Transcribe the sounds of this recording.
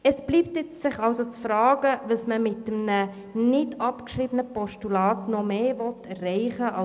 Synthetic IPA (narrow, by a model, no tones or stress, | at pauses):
əsb̥liːptjɪt͡ssɪχɑʊsot͡sfɾɑːɡ̥əʋəsməmɪtːəmnə | nɪdɑpkʃɾiːbənəpɔʃtulɑːtnɔmeːvɔtɛrːɛɪχəʔɑ